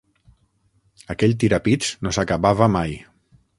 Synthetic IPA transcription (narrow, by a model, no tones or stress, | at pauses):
əkɛʎt̪iɾapit͡ʃt͡snosakaβaβəmaj